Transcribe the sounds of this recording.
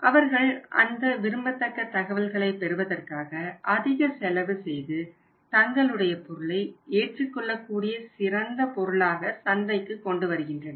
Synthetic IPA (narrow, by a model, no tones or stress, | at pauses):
ʔɐʋɐɾɣɐɭʔɐ̰nd̪ɐʋɪɾɯmbɐt̪ːɐkːɐt̪ːɐɣɐʋɪlɣɐɭɐɪpːɛɾɯʋɐðɐrkaːɣɐʔɐðɪɣɐsɛlɐʋɯsɛjðɯ | t̪ɐŋɡɐɭɯɽɐjɐpɔɾɯɭɐɪeːʈrɯkːɔɭːɐkːuːɽɪjɐsɪrɐnd̪ɐpɔɾɯɭaːɣɐsɐnbɐɪkːɯkːɔɳɖɯʋɐɾɯɣɪndrɐnɐ